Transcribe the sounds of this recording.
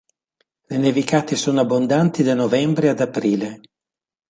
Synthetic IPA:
lenevikaːt̪isoːnoabːond̪ant̪id̪anovɛmbɾead̪apɾiːle

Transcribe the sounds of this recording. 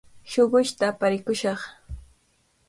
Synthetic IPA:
ʃoɢʊʃt̪apaɾɪkʊʃɑχ

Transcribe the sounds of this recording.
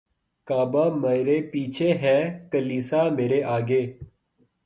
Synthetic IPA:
kaːbaːmeːɾeːpiːt͡ʃʰeːɦɛːkəliːsaːmeːɾeːʔaːɡeː

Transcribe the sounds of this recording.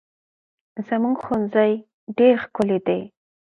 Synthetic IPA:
zəmuɡxunzaj | ɖeɾxkʊled̪ej

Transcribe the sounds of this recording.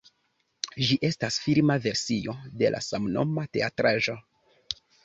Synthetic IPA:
ʒiʔe̞stasfilmave̞ɾsio̞de̞lʔa̰samno̞̰mate̞atɾaʒo̞

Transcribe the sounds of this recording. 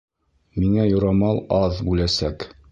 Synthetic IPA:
miŋæjŏɾɑmɑlˠɑðbʉlæsæk

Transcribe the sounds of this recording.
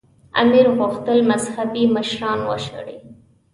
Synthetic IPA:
a̰miɾɣʊxt̪əlmazhabiməʃɾɑnwə̰ʃə̰ɽḭ

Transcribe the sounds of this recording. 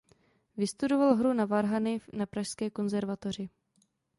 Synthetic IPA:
vɪst̪udo̞valɦɾunavaɾɦanɪnapɾaʃskɛːko̞nzɛɾvat̪or̝ɪ

